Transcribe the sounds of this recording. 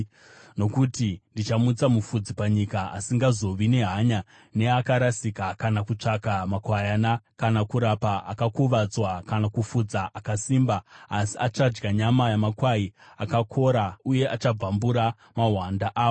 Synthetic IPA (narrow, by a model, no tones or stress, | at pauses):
no̞kutindit͡ʃamut͡samufud͡zipaɲikaasiŋɡazo̞ʋine̞ɦaɲa | ne̞akaɾasikakanakut͡ʂakamakwajanakanakuɾapaʔakakuʋad͡zwakanakufud͡zaʔakasiːmbaasiat͡ʃad͡ʒɡaɲamajamakwaiakakʰo̞ɾauje̞ʔat͡ʃab͡vambuɾa | maɦwandaʔaːo